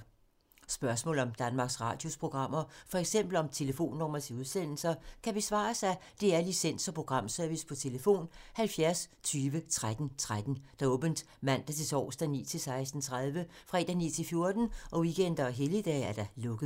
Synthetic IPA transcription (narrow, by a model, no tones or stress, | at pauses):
sb̥ɶɐsmɔ̰̽ːlɒ̽md̥ænmɑ̈ːɡ̥sʁɑ̰̈ːd̥jo̝spʰʁo̝ɡ̥ʁɑ̈m̰ɐfɒ̽eɡ̥sem̰b̥l̩ɒ̽mt͡sʰe̝ləfo̝̰ːnːɒmɐsʰeuð̞ˠsen̰l̩sɐkʰæb̥e̝sʋɑ̰̈ːsæd̥e̝æɐlisen̰sɒ̽pʰʁo̝ɡ̥ʁɑ̈m̰sœɐʋispʰɒ̽t͡sʰe̝ləfo̝̰ːnhælfjæɐst͡sʰyːʋət͡sʰʁad̥n̩t͡sʰʁad̥n̩d̥ɑɔ̽ːb̥ənd̥ | mæn̰d̥æt͡sʰe̝sɒ̰ʊsd̥ænḭːt͡sʰe̝lsɑ̈ɪsd̥n̩t͡sʰʁað̞ˠʋəfʁɑḛd̥ænḭːt͡sʰe̝lfjo̝ɐd̥n̩ʔɒ̽ʋiɡ̥en̰d̥ɐɒɦeləd̥ɛ̰ːæɐd̥ɑlɔ̽ɡ̥əðˠ